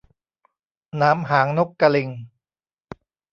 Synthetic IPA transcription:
naː˦˥mɦaː˩˦ŋno˦˥kːa˧li˧ŋ

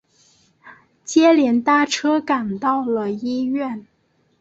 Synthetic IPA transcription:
t͡ɕjɛ˥ljɛ˧˥nt̪a˥˩ʈ͡ʂʰɤ˥ka˨˩nt̪ɑ˥˩ʊlə˩i˥ɥɛ˥˩n

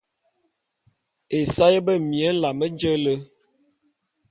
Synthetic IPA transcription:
e˨sa˦jə˦bə˦˨mi˨ə˨˦n̩˦la˨mə˦d͡ʒə˦lə˦

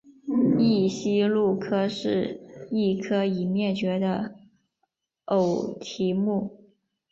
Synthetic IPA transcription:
i˥˩ɕi˥lu˥˩kʰɤ˥ʂɻ̩˥˧i˥˩kʰɤ˥i˨˩mjɛ˥˩t͡ɕɥɛ˧˥d̪ə˧ | o˨˩ʊt̪ʰi˧˥mu˥˩

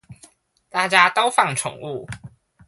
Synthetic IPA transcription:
t̪a˥˩t͡ɕja˥t̪o˥ʊfɑ˥˩ŋʈ͡ʂʰʊ̰˨˩˦ŋu˥˨˩

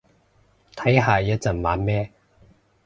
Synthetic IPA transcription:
t̪ʰɐ˨˥jɦaː˨jɐ˥t̚t͡sɐ˨˩nma̰ː˨˧˥nmɛː˥

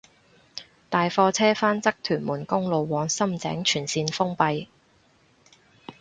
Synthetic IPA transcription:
t̪aː˨jfɔː˧t͡sʰɛː˥faː˥nt͡sɐ˥k̚t̪ʰyː˨˩nmuː˨˩nkʊ˥ŋlo˨˧wːɔː˨˧ŋsɐ˥mt͡sɛ̰ː˨˥ŋt͡ʃʰyː˨˩nsiː˧nfʊ˥ŋpɐ˧j

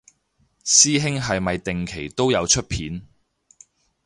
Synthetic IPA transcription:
siː˥ɦɪ˥ŋɦɐ˨jmɐ˨jt̪ɪ˨ŋkʰe˨˩jt̪o˥wjɐ˨˧wt͡ʃʰɵ˥t̚pʰiː˨˥n

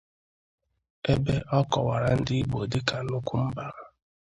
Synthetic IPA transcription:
e˦be˦ʔɔ˦kɔ˨wa˨ɾa˨n̩˦dɪ˦i˦ɡ͡bo˨dɪ˦ka˨nʊ˦kʷu˦m̩˦ba˦˨a˨

